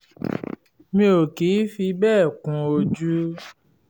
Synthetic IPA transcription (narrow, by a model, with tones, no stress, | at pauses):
mĩ˧˦o˨ki˨˦fi˧bɛː˦˨kũ˨o˧d͡ʒu˦